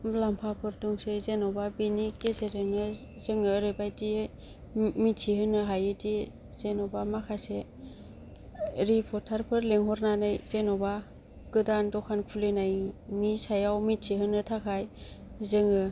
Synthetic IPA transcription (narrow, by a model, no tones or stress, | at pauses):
lampʰapʰɯɾtuŋsezenɔbabinikeseɾenɯ | zɯŋɯɾebajdie | mitʰihɯnɯɦajɯdi | z̥enɔbamakʰase | ɾipʰɔtʰaɾpʰɯɾleŋɦɔɾnanɯjz̥enɔba | ɡɯdandɔkʰankʰulɯnajnisajawmitsʰiɦɯnɯtʰakʰajzɯŋɯ